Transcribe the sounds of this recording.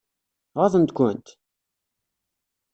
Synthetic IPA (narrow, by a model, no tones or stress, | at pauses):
ʁɑðˤənt̪kʷʊnt̪